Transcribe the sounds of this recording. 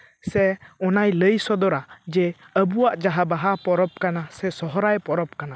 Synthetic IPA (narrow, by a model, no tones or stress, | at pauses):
sɛɔnajləjsɔd̪ɔɾad͡ʒɛ | əbuwaʔd͡ʒaɦabaɦapɔɾɔp̚kanasɛsɔɦɔɾajpɔɾɔp̚kana